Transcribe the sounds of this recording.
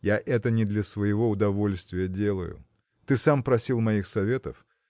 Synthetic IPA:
jaʔɛt̪ənʲɪd̪lʲɐsvəjɪvo̞ʊd̪ɐvo̞lʲst̪vʲɪjədʲe̞lˠə̰jʊ̰ | t̪ɨsampɾɐsʲilˠmɐixsɐvʲe̞t̪əf

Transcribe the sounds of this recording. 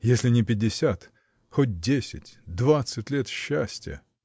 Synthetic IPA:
jesʲlʲɪnʲɪpʲɪdʲːɪsʲat̪ | xot̚ʲdʲesʲɪ̰tʲd̪vat̪sɨtʲlʲet̪ɕːæsʲtʲjə̰

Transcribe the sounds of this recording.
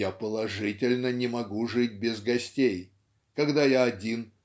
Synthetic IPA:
apəlˠɐʐɨtʲɪlʲnənʲɪmɐɡuʐɨt̚ʲbʲɪzɡɐsʲtʲej | kɐɡd̪ajaɐdʲin

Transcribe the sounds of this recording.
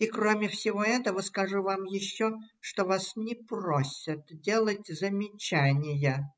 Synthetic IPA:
ikromʲɪfsʲɪvo̞ɛt̪əvəskɐʐuvamjɪɕːoʂt̪ovasnʲɪprosʲɪt̪dʲe̞lˠətʲzəmʲɪt͡ɕænʲɪjə

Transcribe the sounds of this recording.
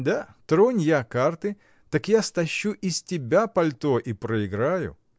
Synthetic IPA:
d̪at̪ɾonʲjakart̪ɨ | t̪akjast̪ɐɕːuʔɪsʲtʲɪbʲapɐlʲt̪oʔipɾəɪɡɾajʊ̰

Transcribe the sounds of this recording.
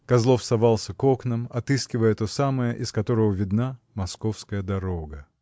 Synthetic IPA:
kɐzlˠo̞fsɐvalˠsʲəko̞knəmɐt̪ɨskʲɪvəjət̪osaməjəʔɪskɐt̪o̞ɾəvəvʲɪd̪na | mɐskofskəjəd̪ɐɾoɡə

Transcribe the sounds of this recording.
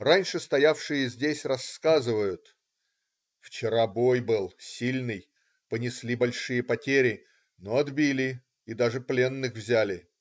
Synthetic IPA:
ranʲʂɨst̪ɐjafʂɨjəzʲdʲesʲrɐskazɨvəjʊt̪ | ft͡ɕɪɾabo̞jbɨlˠsʲilʲnɨj | pənʲɪsʲlʲibɐlʲʂɨjəpɐtʲeɾʲɪ | noɐd̪bʲilʲɪ | id̪aʐɨplʲe̞nːɨxvzʲælʲɪ

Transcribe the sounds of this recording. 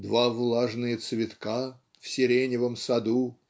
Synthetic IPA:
d̪vavlˠaʐnɨjət̪svʲɪt̪ka | fsʲɪɾʲenʲɪvəmsɐd̪u

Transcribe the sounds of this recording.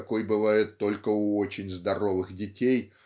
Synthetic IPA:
kojbɨvajɪt̪ːo̞lʲkəuot͡ɕɪnʲzd̪ɐrovɨxdʲɪtʲej

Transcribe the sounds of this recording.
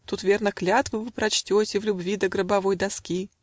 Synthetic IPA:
t̪ut̪vʲe̞rnəklʲat̪vɨvɨpɾɐt͡ɕtʲotʲɪvlʲʊbvʲid̪əɡɾəbɐvo̞jd̪ɐskʲi

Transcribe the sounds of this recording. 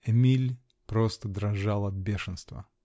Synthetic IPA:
ɛmʲilʲ | pɾost̪əd̪ɾɐʐalˠɐt̪̚bʲeʂɨnst̪və̰

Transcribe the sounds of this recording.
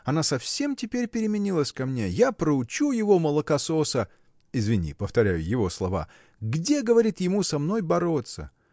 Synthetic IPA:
ɐnasɐfsʲe̞mtʲɪpʲeɾʲpʲɪɾʲɪmʲɪnʲilˠəsʲkɐmnʲe̞japɾəʊt͡ɕujɪvo̞məlˠəkɐso̞sə | ɪzvʲɪnʲḭpəft̪ɐɾʲæjʊjɪvo̞slˠɐva̰ | ɡdʲe̞ɡəvɐɾʲit̪jɪmusɐmno̞jbɐɾo̞t̪sə̰

